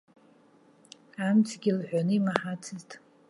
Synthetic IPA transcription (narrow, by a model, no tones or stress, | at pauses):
amt͡sʰɡʲilħᶣʷanɨimaħat͡sʰɨztʼ